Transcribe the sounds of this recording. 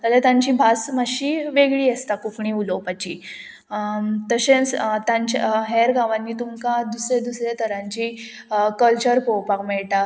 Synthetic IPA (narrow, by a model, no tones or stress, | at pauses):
t̪alet̪ãɲt͡ɕiːbʱasmaɕiːʋeɡɭiːest̪akufɳiulopat͡ɕiː | t̪əɕẽt͡st̪ãɲt͡ɕɦeɾɡãʋãnːiːt̪umkad̪usɾed̪usɾet̪ʰəɾãɲt͡ɕiː | kəlt͡ɕəɾkowpakmɛɭʈa